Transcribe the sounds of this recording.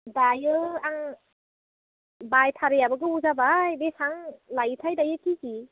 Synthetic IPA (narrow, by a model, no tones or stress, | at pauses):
dajɯaŋ | bajtʰaɾɯjabɯɡɯuzabajbesaŋlajtʰajdajɯkiki